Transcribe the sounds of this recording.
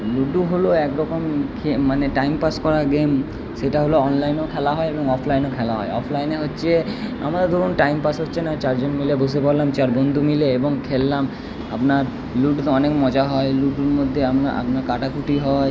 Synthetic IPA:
luɖuɦoloɛkɾɔkomkʰemaneʈajmpaskɔɾaɡem | ʃeʈaɦoloɔnlajnokʰɛlaɦɔeeboŋɔpʰlajnokʰɛlaɦɔ̰eɔ̰pʰlajneɦotːɕʰea̰maɾad̪ʱubonʈajmpasɦotːɕʰenat͡ɕaɾd͡ʑonmilebosepoɾlamt͡ɕaɾbond̪ʱumileeboŋkʰelːam | a̰pnaɾ | luʈt̪oɔnekmɔd͡ʑaɦɔeluɖuɾmod̪ʱːeanaʔa̰pnaɾkaʈakuʈiɦɔe

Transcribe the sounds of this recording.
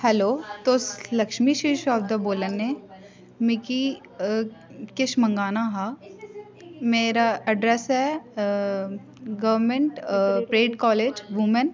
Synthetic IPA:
hɛːloːt̪oːslɐkʃmiʃiːʃaːb̚d̪aboːlənɦẽ | mɪki | kɪʃmɐ̃ŋɡaːnaɦaː | meːɾaɐɖɾesɦɛ | ɡɐʋɾmẽɳʈpɾeːɖkɔːleːd͡ʒʋʊmən

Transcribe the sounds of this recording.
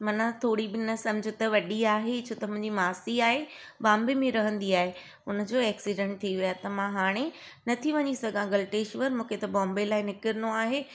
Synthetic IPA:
mɐnãt̪ʰoːɽibɪnɐsɐ̃md͡ʑʱʊt̪ɐʋɐɗiaːɦet͡ɕʰoːt̪ɐmʊ̃ɦɪ̃ɲd͡ʑimaːsiaːɦe | bãːmbemẽɾɐɦə̃nd̪iaːɦe | ʊnə̆d͡ʑoːɛːksiɖɛ̃ɳʈ̚t̪ʰiʋijat̪ɐmãɦaːɽ̃e | nɐt̪ʰiʋɐɲisɐɡʱãɡɐlʈeːʃʋɐɾmũːkʰet̪ɐbɔ̃ːmbelaːɪnɪkɪɾnoaːɦe

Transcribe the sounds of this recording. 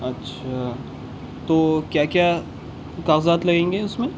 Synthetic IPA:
ɐtːʃʰa | t̪oːkjaːkja | kaːɣzaːt̪lɐɡẽːŋɡeʊsmẽ

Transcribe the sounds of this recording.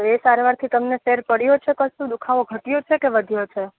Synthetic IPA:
esaɾʋaɾt̪ʰit̪əmneʃeɾpəɽjot͡ʃʰekəst̪ũd̪ukʰaʋoɡʱəʈijot͡ʃʰekeʋəd̪ʱjot͡ʃʰe

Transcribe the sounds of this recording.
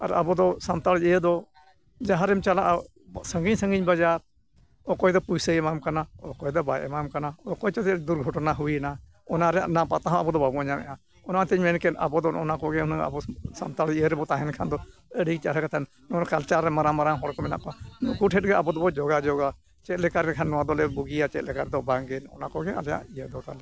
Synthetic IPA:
ɐ̰ɾa̰bud̪ɔsamt̪ald͡ʒiəd̪ɔ | d͡ʒaɦaɾɛmt͡ʃalaʔ | səŋɡiɲsə̃ŋɡiɲbad͡ʒaɾ | ɔkɔjd̪ɔpujsəɛmamkanaɔkɔɛd̪ɔbajʔɛmamkanaɔkɔjt͡ʃɔt̪ɛd̪uɾɡʱɔʈnaɦuina | ɔnaɾɛnapat̪aɦãabɔd̪ɔbabuaɲamɛ̰jã | ɔnat̪ɛɲmɛnkɛna̰bɔd̪ɔɔnakɔɡɛɔnaa̰bɔsa̰mt̪aliəɾɛbɔt̪aɦɛnkʰand̪ɔəɽit͡ʃaɾɛkat̪ʰan | nɔɔɾkalt͡ʃaɾːɛmaɾamaɾaɦɔɾkɔmɛna̰ʔkɔanukuʈʰɛʈ̚ɡɛabɔd̪ɔbɔd͡ʒɔɡad͡ʒɔɡa | t͡ʃɛt̪̚lɛkaɾɛkʰanːɔad̪ɔlɛbuɡijat͡ʃɛt̪̚lɛkaɾd̪ɔbaŋɡɛnɔ̰nakɔɡɛa̰lja̰ʔijəd̪ɔt̪alɛ

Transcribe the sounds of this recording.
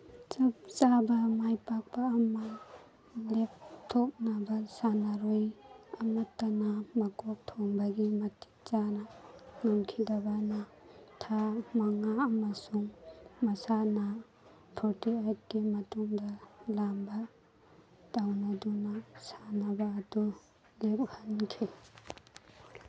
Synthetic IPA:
t͡ʃap̚t͡ʃabamajpak̚paːma | lep̚tʰop̚nabasanaɾojamatːanamakɔk̚tʰɔŋbaɡimati̥k̚t͡ʃananamkʰidabana | tʰamaŋaːmasuŋmasana | pʰɔɾtiat̚ɡimatumdalamba | d̥awnadunasanabaːdu | lep̚hankʰi

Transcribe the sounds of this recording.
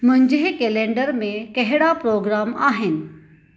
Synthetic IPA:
mʊ̃ɦɪ̃ɲd͡ʑɦɪkeːlẽːɳɖəɾmẽkɐɦɪɽapɾoːɡɾaːmaːɦɪnɪ̆

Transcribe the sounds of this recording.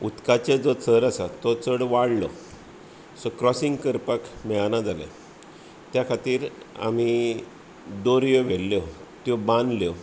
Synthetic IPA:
ut̪kat͡ɕəd͡zɔt͡səɾasat̪ɔt͡səɽʋaɽlɔ | sɔkɾɔsiŋɡkəɾpəkmɛɭanad͡zala̰ | t̪jakʰat̪iːɾ | a̰mi | d̪oɾjɔʋelːjɔt̪jɔbãnd̪ljɔ

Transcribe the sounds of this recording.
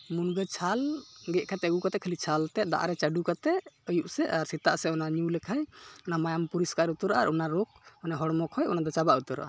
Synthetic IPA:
munɡət͡ʃʰalɡɛʔkat̪ɛəɡukat̪ɛkʰəlit͡ʃʰalt̪ɛd̪a̰ʔa̰ɾɛt͡ʃaɖukat̪ɛʔəjuʔsɛʔaɾsit̪aʔsɛɔnaɲulɛkʰajɔnamajampuɾiskaɾut̪ɔɾaʔaɾʔɔnaɾɔk̚manɛɦɔɽmɔkʰhɔjɔnad̪ɔt͡ʃabaʔut̪ɔɾa̰ʔa

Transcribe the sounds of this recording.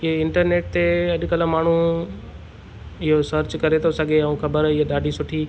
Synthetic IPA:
ɪɦeɪ̃ɳʈəɾneːʈ̚t̪eɐʄ̆kɐləmaːɳ̤ũ | ɪɦosɐɾt͡ɕkɐɾet̪ɐʊsaɠeɐũkʰɐbəɾɪɦeɗaːɖʱisʊʈʰiː

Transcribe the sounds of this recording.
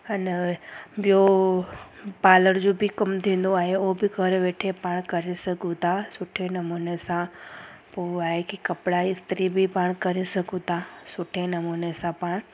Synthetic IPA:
ɐn | bɪjo | paːləɽd͡ʑoːbɪkɐmt̪ʰĩːn̆d̪oaːɦeobɪkʰɐɾʋeːʈʰepaːɽ̃kɐɾesɐɡʱũt̪ʰasʊʈʰenɐmuːnesã | poːaːɦekikɐpɽaist̪ɪɾibɪpaːɽ̃kɐɾesɐɡʱũt̪ʰasʊʈʰenɐmuːnesãpaːɽ̃

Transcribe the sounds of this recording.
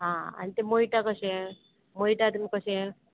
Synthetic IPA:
ɦãa̰ñit̪emojʈakəɕẽ | mojʈat̪əmkəɕẽ

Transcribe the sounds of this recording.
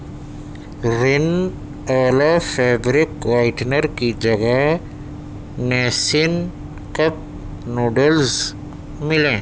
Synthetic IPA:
ɾɪn | aːlafeːdɾɪkʋaɪʈnəɾkid͡ʒɐɡa | nɛːsɪn | kɐp̚ | noːɖəlz | mɪlẽː

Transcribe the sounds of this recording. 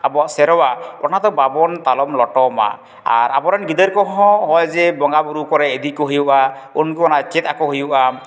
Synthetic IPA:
abɔaʔsɛɾɔwaɔnat̪ɔbabɔnt̪alɔmlɔʈɔma̰ | a̰ɾabɔɾanɡid̪əɾkɔɦɔ̃ɦɔjzɛbɔŋɡabuɾukɔɾɛːd̪ikɔɦujuʔa | unkuɔnat͡ʃɛt̪̚akɔɦujuʔa

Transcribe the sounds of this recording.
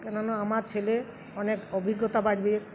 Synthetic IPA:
kenanɔamaɾt͡ʃʰele | ɔnekɔbʱiɡːɔt̪abaɖbi

